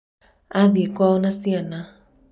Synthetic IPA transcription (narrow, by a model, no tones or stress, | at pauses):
aðikwaunasiana